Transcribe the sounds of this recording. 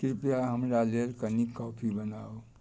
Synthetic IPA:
kɪɾpjaɦəmɾaleɾkənikɔːpʰibənaːo

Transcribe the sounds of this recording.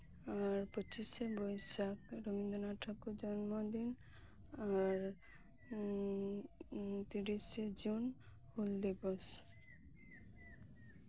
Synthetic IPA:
aɾpət͡ʃisebɔjsakɾobind̪ɔnaʈʰakud͡ʒɔnmɔd̪in | aɾ | t̪iɾised͡ʒun | huld̪ibɔs

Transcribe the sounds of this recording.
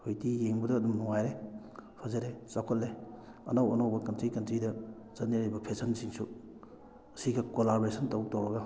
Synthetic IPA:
hojtijeŋbɐdɐːdumnuŋajɾe | pʰɐzɐɾesakʰotle | ɐ̰nɐwɐnowbɐkɐntɾikɐntɾidɐ | t͡ʃɐniɾɐjbɐpʰesʰɐnsiŋsu | ɐsiɡɐkolabɾesɐntow̚towɾɐɡɐ

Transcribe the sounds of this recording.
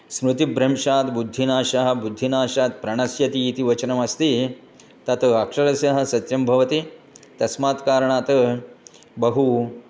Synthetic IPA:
smɾut̪ibɾɐmʂaːt̪bud̪ʱːinaːʃɐɦɐ̆bud̪ʱːinaːʃaːt̪pɾɐɳ̃ɐsjɐt̪iːt̪iʋɐt͡ʃɐnɐmɐst̪i | t̪ɐt̪ɐɐkʂɐɾɐsjɐɦɐ̆sɐt̪jɐmbʱɐʋɐt̪i | t̪ɐsmaːt̪kaːɾɐɳaːt̪ɐ | bɐɦu

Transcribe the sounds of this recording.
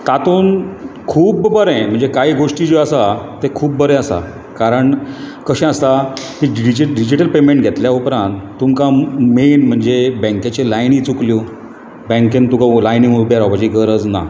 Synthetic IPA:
t̪at̪uːnkʰuːbbəɾɛ̃m̤əɳd͡zekaɦiːɡoʂʈiːd͡ʑiəsat̪ekʰuːp̚bəɾɛ̃əsa̰ | kaɾəɳkəɕɛ̃əst̪ak̪iɖɖid͡ʑɖid͡ʑiʈəlpemẽɳʈɡʱet̪ljaupɾãnt̪ːumkamenm̤əɳd͡zebɛ̃ŋkat͡ɕelajnit͡sukljo | bɛ̃ŋkẽnt̪ukalajniŋubjaɾapad͡ʑiɡəɾəd͡zna̰

